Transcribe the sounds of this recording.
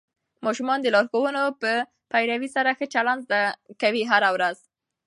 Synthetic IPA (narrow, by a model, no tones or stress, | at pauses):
mɑʃumɑnd̪əlɑɾxowənopə | pajɾawisaɾaxət͡ʃaland̪zd̪akawiɦaɾawɾaz̥